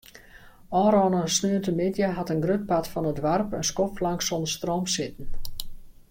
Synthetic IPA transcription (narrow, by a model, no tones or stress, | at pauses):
ʔɔːɾɔnəsnøəntəmɪdjəɦatənɡrøt̚patfɔnədʋarpənskɔflaŋksɔndərstroːmsɪtən̩